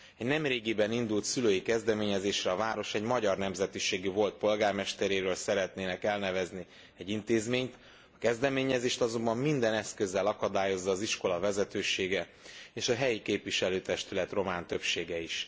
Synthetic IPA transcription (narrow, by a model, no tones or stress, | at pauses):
ɛɟnɛmreːɡibɛnind̪ult̪syløːjikɛzd̪ɛmeːɲɛzeːʃrɛɒvaːɾo̞ʃɛɟmɒɟɒrnɛmzɛt̪iʃeːɡivo̞lt̪̚po̞lɡaːrmɛʃt̪ɛɾeːɾøːlsɛɾɛt̪neːnɛkɛlnɛvɛzni | ɛɟint̪eːzmeːɲt̪ | ɒkɛzd̪ɛmeːɲɛzeːʃt̪ɒzo̞mbɒmmind̪ɛnɛskøzːɛlɒkɒd̪aːjo̞zːɒːziʃko̞lɒvɛzɛt̪øːʃeːɡɛ | eːʃɒɦɛjikeːpviʃɛløːt̪ɛʃt̪ylɛt̪ro̞maːnt̪ø̞pʃeːɡɛiʃ